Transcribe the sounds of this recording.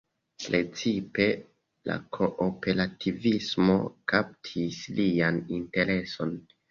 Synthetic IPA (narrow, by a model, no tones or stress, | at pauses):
pɾe̞t͡sipe̞ | la̰kʰo̞ʔope̞ɾatʰivismo̞̰kap̚tʰislianinte̞ɾe̞so̞n